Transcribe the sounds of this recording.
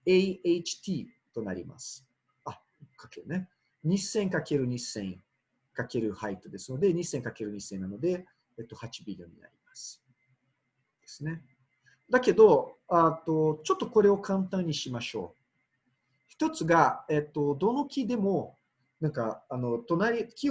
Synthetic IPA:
eieit͡ɕi̥t̪ʲiːt̪o̞na̰ɾʲḭma̰sɨ̥ | a | kḁkeɾɯ̟ne | ɲ̟isẽ̞ŋkake̞ɾɯ̟ɲ̟isẽŋ | kake̞ɾɯ̟hait̪ːod̪e̞sɨno̞d̪e̞ɲ̟isẽ̞ŋkake̞ɾɯ̟ɲ̟isẽ̞nːano̞d̪e̞ | et̪ːo̞hat͡ɕibʲiɾʲiõ̞̰ɲ̟ːḭna̰ɾʲimasɨ̥ | d̪̥e̞sɨne̞ | d̪ake̞d̪o̞at̪o̞t͡ɕo̞t̪ːo̞ko̞ɾe̞o̞kʰãnt̪ãɲ̟ːiɕimaɕo̞̰ː | çi̥t̪o̞t͡sɨɡae̞t̪ːo̞d̪o̞no̞kʲid̪e̞mo̞ | nãŋkaːno̞t̪o̞naɾʲikʲi

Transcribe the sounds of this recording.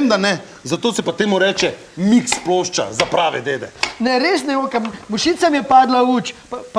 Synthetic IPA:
md̪anɛ | zat̪oːsɛpat̪eːmuɾɛːt͡ʃɛ | miksploːʃt͡ʃa̰zapɾaːʋɛ̰d̪eːd̪ɛnɛɾeːsnɛoːkammuʃit̪samjɛpaːd̪lauːt͡ʃpp

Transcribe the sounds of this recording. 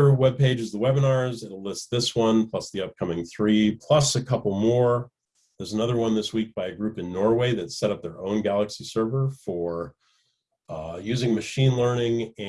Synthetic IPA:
ə˞wɛb̚peɪd͡ʒɨzðəwɛbɨnɑɹzɨɾlɪst̚ðɪswʌ̃npʰl̥ʌsðiʌp̚kʰʌmɪ̃ŋθɹipʰl̥ʌsɨkʰʌpl̩ˠmɔɹ | ðə˞zənʌðə˞wʌ̃nðɪswik̚b̥aɪɨɡɹʉpɨ̃nːɔɹweɪðɨtsɛɾʌp̚ðə˞õʊ̃nɡælˠəksisɜ˞və˞fə˞ | jʉzɪ̃ŋmɨʃĩnlɜ˞nɪ̃ŋɨ̃

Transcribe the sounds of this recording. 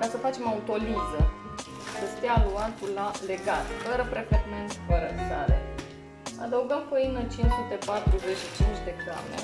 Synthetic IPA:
kasəfat͡ʃe̞maut̪o̞lizə | səst̪eaːluat̪ulale̞ɡat̪fəɾəpɾeket̪ment̪fəɾək̪alḛ | ad̪əuɡəmkoinət͡ʃinsut̪e̞pat̪ɾuze̞t͡ʃʃit͡ʃint͡ʃʲd̪e̞ka̰mḛ

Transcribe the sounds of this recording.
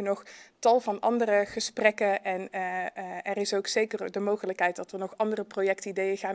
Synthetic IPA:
ənɔχtɑlˠvɑnɑ̰ndərəχəsprɛkəʔɛn | ɛrɪsowksejkərdəmowχələkɦɛjtdɑtʋənɔχɑndərəprojɛktidejəɣaː

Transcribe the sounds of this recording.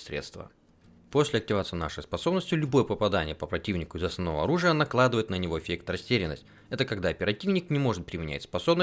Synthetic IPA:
sʲɾʲḛt̪st̪və̰ | po̞sʲlʲɪɐk̚tʲɪvat̪sɨjna̰ʂəjspɐso̞bnəsʲtʲʊlʲʊbo̞jəpəpɐd̪anʲɪjəpəpɾɐtʲivnʲɪkʊɪzɐsnɐvnovə̰ɐ̰ɾuʐɨjənɐklˠad̪ɨvəjɪt̪nənʲɪvo̞ɪfʲek̚t̪rɐsʲtʲeɾʲɪnːəsʲtʲ | ɛt̪əkɐɡd̪aɐpʲɪɾɐtʲivnʲɪknʲɪmo̞ʐɨt̪̚pɾʲɪmʲɪnʲæ̰tʲspɐso̞bnə

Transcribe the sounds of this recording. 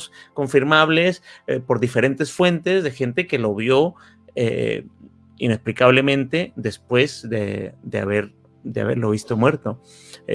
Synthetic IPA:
sko̞ɱfiɾmaβle̞spo̞ɾðife̞ɾe̞nt̪e̞sfwe̞nt̪e̞zðe̞xe̞nt̪e̞ke̞lo̞βjo̞ | ḛ | ḭne̞splikaβle̞mẽnt̪e̞ðe̞spwe̞zðḛd̪ea̰βe̞ɾ | d̪ea̰βe̞̰ɾlo̞β̞ist̪omwe̞ɾt̪o̞

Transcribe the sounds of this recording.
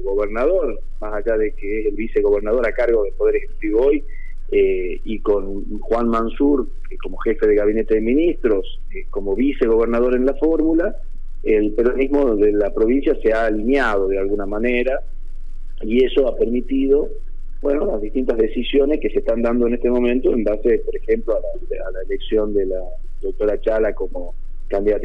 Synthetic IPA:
ɣoβeɾnaðo̞ɾ | masaʒaðekeeselβise̞ɣo̞βeɾnað̞o̞ɾakaɾɣo̞ð̞elpo̞ð̞eɾexekut̪iβooj | e | iko̞n | xwanmansuɾ | keko̞mo̞xe̞fe̞ðeɣaβinet̪e̞ðeminist̪ɾo̞s | ko̞mo̞βise̞ɣo̞β̞eɾnað̞o̞ɾe̞nlafoɾmula | elpeɾonizmo̞ðelapɾo̞βinsjaseaːlinjað̞o̞ð̞ealɣunamaneɾa | ieso̞apeɾmit̪iðo̞ | bwe̞nolazðist̪int̪azðe̞sisjo̞neskese̞ht̪and̪and̪oe̞ne̞st̪emõ̞mẽ̞nt̪o̞embase̞poɾexe̞mploala | alaeleksjo̞nd̪ela | d̪ok̚t̪o̞ɾat͡ʃalako̞mo | kand̪iðat̪

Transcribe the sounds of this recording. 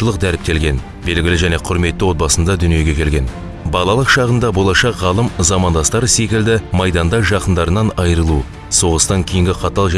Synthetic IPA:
əlˠəq̚d̪æɾɪp̚t̪e̞lɡʲe̞n | be̞lɡʲɪlɪʒæne̞qʰʊɾme̞t̪ːɪwo̞t̪̚bɑsənd̪ɑd̪ʏnije̞ɡʲe̞kʲʰe̞lɡʲe̞n | bɑlˠɑlˠəqʃɑʁənd̪ɑbo̞lˠɑʃɑqʁɑlˠəmzɑmɑnd̪ɑst̪ɑɾəse̞kʲɪld̪ɪmɑjd̪ɑnd̪ɑʒɑqənd̪ɑɾənɑnɑjəɾəlˠu | so̞ʁəst̪ɑŋkʲʰejɪŋɡʲɪqʰɑt̪ɑlˠʒ

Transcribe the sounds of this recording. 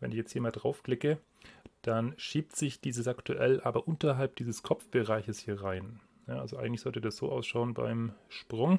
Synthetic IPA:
vɛ̰nɪçjɛt͡sthiːɐmaːldʁaʊfkl̥ɪkə | d̥anʃiːp̚tz̥ɪçd̥iːzəsʔaktuʔɛlʔaːbɐʔʊntɐɦalp̚d̥iːzəskʰɔfb̥əʁaɪçəshiːɐʁaɪn | naʔalzoʔa̰ɪŋ̩tlɪçz̥ɔltiːdasz̥o̰ːʔaʊsʃaʊənba̰ɪmʃpʁ̥ʊŋ

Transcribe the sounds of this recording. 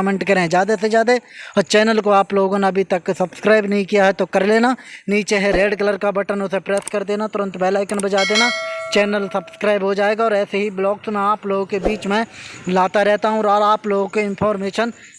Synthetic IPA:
mẽɳʈkəɾẽɦɛ̃d͡ʒjaːd̪esed͡ʒjaːd̪et͡ʃɛːnəlkoaːploːɡoneɐbʱit̪əkːsəbskɾaːɪbnəɦĩkijaɦɛt̪okəɾleːnanĩːt͡ʃeɦɛɾeːɖkələɾkabəʈənʊsepɾeːskəɾd̪eːnat̪ʊɾə̃nt̪bɛːlaːɪkənbəd͡ʒaːd̪eːnat͡ʃɛːnəlsəbskɾaːɪbɦod͡ʒaːeːɡaɔːɾɛːseɦiblɔːksmẽaːploːɡkebiːt͡ʃmɛ̃laːt̪aɾɛːt̪aɦũɾɔːɾaːploːɡkoɪ̃npʰɔːɾmeːʃən

